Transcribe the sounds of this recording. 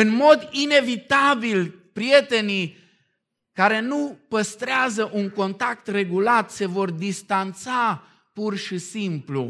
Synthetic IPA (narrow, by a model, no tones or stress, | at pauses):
ɨnmo̞d̪ine̞vit̪abilpɾije̞t̪e̞ni | kaɾe̞nupəst̪ɾeazəʔuŋko̞nt̪ak̚t̪re̞ɡulat̪se̞vo̞rd̪ist̪ant̪sa | purʃisimplṵ